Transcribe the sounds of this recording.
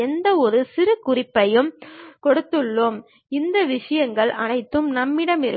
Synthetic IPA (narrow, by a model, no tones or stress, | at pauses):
ɛnd̪ɐɔɾɯsɪɾɯkʊrɪpːɐjɯmkɔɽɯt̪ːɯɭːoːm | ɪnd̪ɐʋɪʂɐjɐŋɡɐɭʔɐnɐɪt̪ːɯmnɐmːɪɽɐmɪɾɯ